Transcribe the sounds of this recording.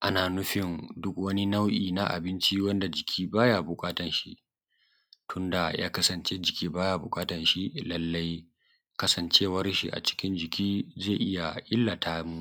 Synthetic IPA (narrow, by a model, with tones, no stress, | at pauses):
ʔa˦naː˨nʊ˦ɸɪ˨ndʊ˦kwɐ˦ni˦na˦wʔiː˨na̰˦ʔa̰˨bɪ˦nt͡ʃi˦wɐ˦nda˨d͡ʒɪ˨kʲʰiː˦baː˦ja˨bʊ˨kʼaː˦tɐ˨nʃi˦ʔ | tʰʊ˦nda˨ja̰ː˦kɐ˦sɐ˨nt͡ʃe˦d͡ʒɪ˨kʲiː˦baː˦ja˨bʊ˨kʼaː˦tɐ˨nʃi˦lɐ˦lːa˦j | kɐ˦sɐ˨nt͡ʃeː˦wɐ˦rʃḭ˨ʔa̰˨t͡ʃɪ̥˦kʲɪ˦nd͡ʒɪ˨kʲiː˦ze˦˨ʔɪ˦ja˨ʔɪ˦lːa˨tʰaː˦mu˦